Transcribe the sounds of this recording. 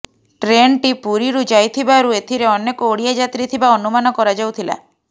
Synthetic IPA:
ʈɾeɳʈipuɾiɾud͡ʒajt̪ʰibaɾuet̪ʰiɾeɔnːekooɽijad͡ʒat̪ɾit̪ʰibaɔnumanɔkɔɾad͡ʒawt̪ʰila̰

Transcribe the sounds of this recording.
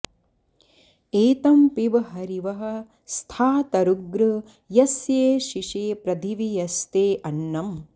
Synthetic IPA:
eːt̪ɐmpiʋɐɦɐɾiʋɐɦɐ̆ | st̪ʰaːt̪ɐɾuɡɾɐ | jɐsjeːʃiʂeːpɾɐd̪ʱiʋijɐst̪eːʔɐnːɐm

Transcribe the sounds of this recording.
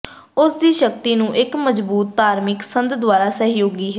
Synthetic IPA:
ʊsd̪iːʃək̚t̪iːnũːʔɪkməd͡ʒbuːt̪ːaːɾmɪksənd̪d̪ʋaːɾaːsəɦjoːɡiːɦɛ

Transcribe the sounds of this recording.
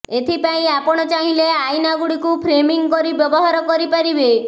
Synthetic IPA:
et̪ʰipaĩapɔɽ̃ɔt͡ʃaɦĩleajnaɡuɽikupʰɾemiŋkɔɾibjɔbɔɦaɾɔkɔɾipaɾibe

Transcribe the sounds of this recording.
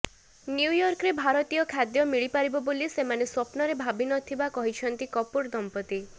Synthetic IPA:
njujɔɾkɾebʱaɾɔt̪ijɔkʰad̪jɔmiɭipaɾibɔbolisemaneswɔpnɔɾebʱabinɔt̪ʰibakɔɦit͡ʃʰɔnt̪ikɔpuɾd̪ɔmpɔt̪i

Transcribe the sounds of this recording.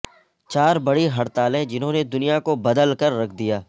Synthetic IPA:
t͡ʃaːɾbɐɽiɦɐɽt̪aːlẽd͡ʒɪnɦõːned̪ʊnijakobɐd̪əlkɐɾːɐkʰd̪ijaː

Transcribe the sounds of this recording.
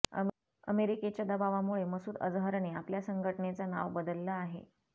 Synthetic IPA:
ə̰ | ə̰meɾiket͡ɕjad̪əbaʋamuɭeməsuːd̪ə̰d͡zɦəɾɳeapljasəŋɡʱəʈɳet͡sana̰ʋbəd̪əlːaːɦḛ

